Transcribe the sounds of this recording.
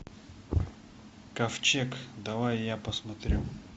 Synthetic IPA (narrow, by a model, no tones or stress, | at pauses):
kɐft͡ɕekd̪ɐvajːapəsmɐt̪ɾʲu